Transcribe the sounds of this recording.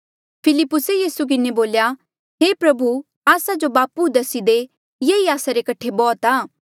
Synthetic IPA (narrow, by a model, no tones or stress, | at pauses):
pʰɪlɪpːʊsejiːsuk̬ɪneboːlja | ɦeːpɾɐbu | aːsad͡ʒobaːpud̪ɐsid̪e | jeiaːsaɾekɐʈʰːebɔːt̪aː